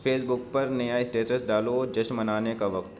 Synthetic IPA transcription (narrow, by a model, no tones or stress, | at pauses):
fʰeːsbʊk̚pɐɾnɐjaɪsʈeːʈəsɖaːlod͡ʒɐʃmɐnaːnekaʋɐqt̪